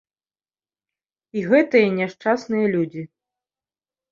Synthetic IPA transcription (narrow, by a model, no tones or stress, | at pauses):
iɣɛt̪ɨjɐnʲɛʂt͡ʂasnɨjɐlʲud͡zʲi